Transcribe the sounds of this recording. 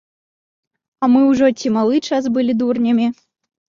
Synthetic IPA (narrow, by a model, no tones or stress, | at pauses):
amɨwʐɔt͡sʲimalˠɨt͡ʂasbɨlʲid̪urnʲɐmʲi